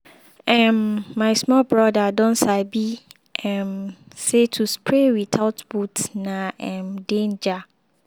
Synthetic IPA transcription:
ɛ̃nːãɪsmɔlbɹɔdadɔ̃nsaɪbi | ʔɛ̃nsetʰuspʰɹewit̪ʰaʊtbutnãɛ̃mdẽnd͡ʒa

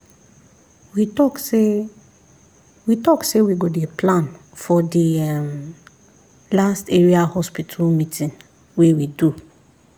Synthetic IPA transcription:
witɔkse | witɔksewiɡodeplãn | fɔdim | lasteɹiahɔspitʰalmĩtĩn | wewidu

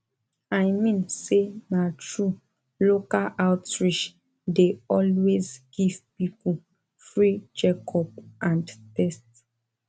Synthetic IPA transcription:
ajmĩnsenatɹu | lokalʔaʊtɹiʃ | deɔlwezɡ̥ivpipu | fɹid͡ʒekʰɔp̚ʔãndtɛst

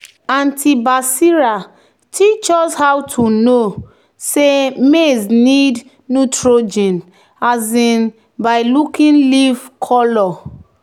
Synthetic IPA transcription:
ãntʰibasiɹa | tʰit͡ʃɔshawtʰuno | semeznid | nutɹod͡ʒɛ̃n | azĩn | baɪlukĩnlivkʰɔlɔ

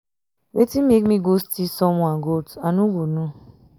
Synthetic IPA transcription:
wetimekmiɡostisɔmʷaɡotanuɡʷonu

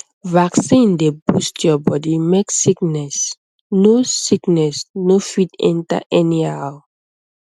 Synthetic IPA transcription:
vaksĩndebustʰjɔbɔdimeksiknɛs | nosiknɛsnofitɛ̰̃nta̰ʔɛnihaʊ

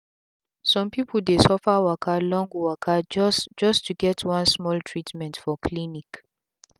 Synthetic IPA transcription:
sɔ̃mpipəl̩desɔfəwakʰalɔ̃ŋɡwakʰad͡ʒsd͡ʒʌstʰuɡɛtʰwãnsmɔltʰɹitmɛ̃ntfɔkʰlinik

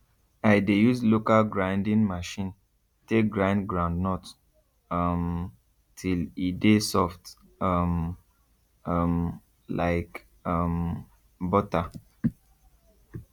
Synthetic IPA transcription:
aɪdejuzlokalɡɹãɪ̃ndĩŋmaʃĩn | tek̚ɡɹãɪ̃ndɡɹãndnɔt | ʌm | tʰilidesɔft | ʌm | ʌm | la̰ɪk | ʌm | bɔta

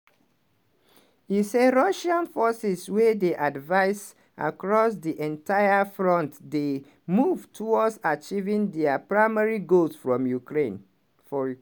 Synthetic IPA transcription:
iseɹɔʃãnfɔsiswɛdeʔadvaɪs | a̰kɹɔsdiʔɛ̃ntʰaɪafɹɔ̃ntde | muvtʰuwɔdsat͡ʃivĩndɛapɹaɪmɛɹiɡolsfɹɔ̃mjukɹẽn | fɔ

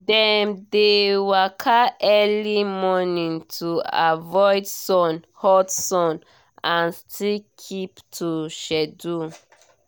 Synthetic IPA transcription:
dɛ̃mdewakʰaɛlimɔnĩŋtʰuavɔjdsɔ̃nhɔdsɔ̃n | ãnstʰilkʰiptʰuʃɛdu

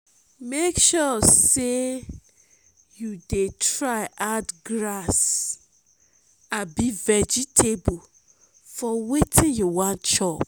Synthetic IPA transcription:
mekʃɔse | judetɹaɪʔadɡɹas | ãnbivɛd͡ʒitʰebu | fɔwetʰĩnjuwãntt͡ʃɔp

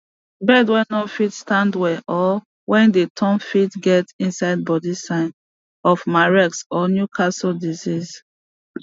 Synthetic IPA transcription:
bɛdwɛ̃nɔfitstãndwɛʔɔ | wɛ̃ndetʰɔ̃mfitɡɛtĩnsaɪd̚bɔdisãɪn | ɔfmaɹɛksɔnjukʰasɔldiziz

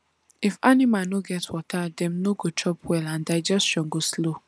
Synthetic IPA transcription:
ifanimãnoɡɛtwɔtʰadɛ̃mnoɡot͡ʃɔpʰwɛlãndaɪd͡ʒɛsʃɔ̃nɡoslo

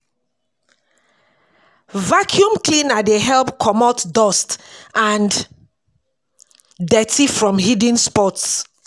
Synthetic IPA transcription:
vakʰjũmklĩnadeɦɛlpkʰɔmɔtdɔstʔãn | dɛtʰifɹɔ̃mɦidĩnspɔts

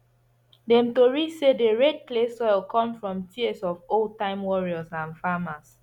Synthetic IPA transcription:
dɛ̃mtoɹisedeɹɛd̚plesɔɪlˠkʰɔ̃mfɹɔ̃mtʰiɛsɔvol̚tãɪ̃mwɔɹiɔsãnfamas

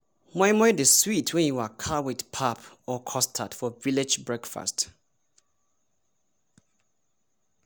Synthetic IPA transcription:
maɪmɔɪdeswitʰwɛ̃njuwakʰawidpʰapɔkʰɔstʰatfɔviled͡ʒbɹɛkfa̰st

